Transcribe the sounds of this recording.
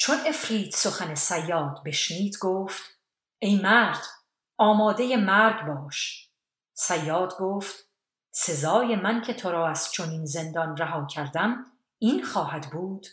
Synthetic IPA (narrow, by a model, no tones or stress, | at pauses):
t͡ʃʰo̞ne̞fɾiːt̪so̞xæne̞sæjːɒːd̪be̞ʃniːd̪ɡoːft̪ | e̞jmæɾd̪̥ | ɒːmɒːd̪e̞jemæɾd̪bɒːʃ | sæjːɒːd̪ɡoːft̪ | se̞zɒːje̞mæncʰe̞t̪ʰoɾɒːæz̥t͡ʃʰo̞niːnze̞nd̪ɒnræɦɒːcʰæɾd̪æm | iːnxɒːhæd̪buːd̪̥